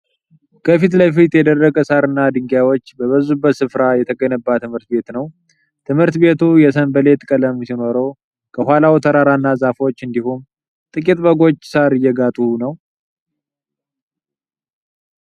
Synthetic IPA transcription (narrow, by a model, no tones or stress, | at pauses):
kʰəfit̪lajfit̪jɛd̪ərːəkʼəsaɾɨnːad̪ɨŋɡjawo̞t͡ʃːbəβəzubːət̪sɨfɾajɛt̪ʰəkʼənəbːat̪ʰːɨmhɨɾt̪be̞t̪nəw | t̪ʰɨmhɨɾt̪be̞t̪ʰujɛs̬əmbəle̞t̪ʼkʼələmsino̞ɾəw | kʰəhalawt̪ʰəɾaɾanːazafo̞t͡ʃːɨnd̪ihum | t̪ʼɨkʼit̪ʼbəɡo̞t͡ʃːsaɾɨjːɛɡat̪ʼunəw